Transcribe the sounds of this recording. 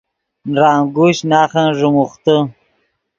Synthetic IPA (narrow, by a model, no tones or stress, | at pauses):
nɾaːŋɡuɕnaːχanʐumuχt̪ə